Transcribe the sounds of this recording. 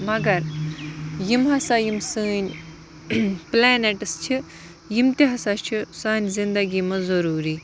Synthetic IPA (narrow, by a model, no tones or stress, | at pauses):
mɐɡɐɾ | jimɦɐsajimsɨːnʲ | plaːneʈɨst͡ʃʰi | jimt̪iɦɐsat͡ʃʰisaːnʲzind̪ɐɡimɐzɐɾuːɾi